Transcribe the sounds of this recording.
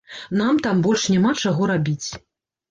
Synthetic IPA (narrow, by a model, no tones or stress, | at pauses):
namt̪ambɔlʲʂnʲamat͡ʂaɣɔɾabʲit͡sʲ